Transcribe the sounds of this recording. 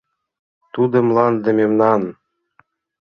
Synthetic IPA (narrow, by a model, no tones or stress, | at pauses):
t̪ud̪ɤ̆mlˠɑnd̪ə̆mʲemnɑn